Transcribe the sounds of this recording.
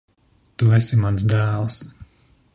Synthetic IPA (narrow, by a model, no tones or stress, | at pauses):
t̪uɛsimans̬d̪æːlˠs